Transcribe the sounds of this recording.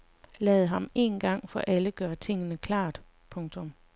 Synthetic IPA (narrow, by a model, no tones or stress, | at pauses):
lɛːð̞ˠɦɑ̈me̝̰ːnɡ̥ɑ̈ŋ̰fɒ̽ʔæləɡ̥ɶːɐt͡sʰe̝ŋ̰ənəkʰlɑ̈ːd̥ | pʰɔ̽ŋt͡sʰɔ̽m